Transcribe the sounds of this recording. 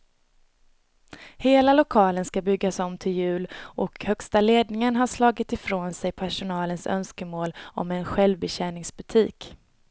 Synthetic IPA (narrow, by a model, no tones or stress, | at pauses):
heːlalʊkʰɑːlənskabʏɡːasɔmːt̪ʰɪljʉ̟ːlʔɔkhœkst̪aleːd̪nɪŋənɦaʂlɑːɡɪt̪ɪfɾoːnsɛjpʰæʂʊnɑːlənsœ̰nskəmoːlɔ̰mɛnɧɛlvbɛɕɛːnɪŋsbɵt̪ʰiːk